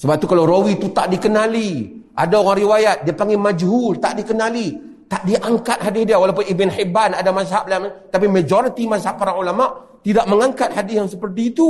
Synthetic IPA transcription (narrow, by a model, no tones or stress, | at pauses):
səbap̚t̪ukalaɾowit̪ut̪aʔdikənaliʔa̰daoɣaŋɾiwajat̪̚diapaŋɡɛmad͡ʒɦult̪aʔdikənali | t̪aʔdiʔaŋkat̪̚ɦadɪsdiawalawp̬ʊnibɪnhibanadamas̬aɦap̚lamat̪ap̬iməd͡ʒoɾit̪imasaɦapːaɾaŋulamaʔ | t̪idaʔ̚məŋaŋkat̪̚hadɪsjaŋsəpərt̪̬iːt̪u